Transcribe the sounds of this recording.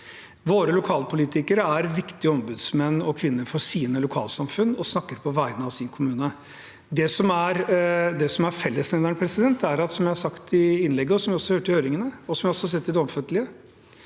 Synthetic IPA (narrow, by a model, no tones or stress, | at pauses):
ʋoːɾəlʊkʰɑːlpʊliːt̪ɪkəɾəæɾʋɪkt̪ɪəɔmbʉd̪smɛnːɔkʰʋɪnːəɾfɔsiːnəlʊkʰɑ̰ːlsɑmfʉnːɔsnɑkːəɾpʰɔʋæɪnəɑʋsɪnkʰʊmʉːnə | d̪ɛsɔmæɾd̪ɛsɔmæɾfɛlːəsnɛəɳpʰɾɛsɪd̪ɛnt̪ːæɾɑt̪sɔmjæɪhɑʂsɑkt̪ɪɪnlɛɡːəɔsɔmʋɪɔsɔhhøːʈəɪhøːɾɪŋənəɔsɔmʋɪhɔsɔhɑs̬ɛt̪ːɪd̪ɛɔmfœt̪ːəlɪə